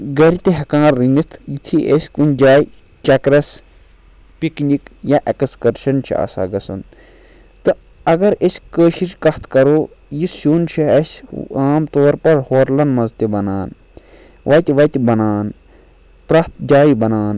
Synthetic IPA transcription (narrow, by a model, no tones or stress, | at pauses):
ɡɐɾit̪eɦɐkãːɾːinit̪ʰjit̪ʰiʔesʲkunʲd͡ʒaːj | t͡ʃɐkɾɐs | piknikjaʔekskɐɾʃɐnt͡ʃʰḭa̰ːsa̰ɡɐsɐn | t̪ɨ | ɐɡɐɾesʲkəːʃiʃkɐht̪ʰkɐɾoː | jisuːnt͡ʃʰiɐsaːmt̪oːɾpɐɾhoːɾlɐnmɐzt̪ibɐnaːn | ʋɐt̪ʲiʋɐt̪ibɐnaːn | pɾat̪̚ʰd͡ʒaːibɐnaːn